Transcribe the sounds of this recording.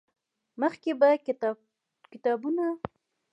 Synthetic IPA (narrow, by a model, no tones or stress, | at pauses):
məxkeba | kɪt̪ɑbuna